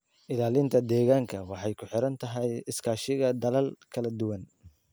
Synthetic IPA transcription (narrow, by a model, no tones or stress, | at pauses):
ʔɪlaːlɪnt̪ʰɐd̪ɛːɣaːŋkʰɐwɑħɑjkʰʊħɪɾɐnt̪ʰɐɦɛjɪskʰaːʃɪɣɐd̪ɐlɐlkʰɐlɐd̪ʊwɐn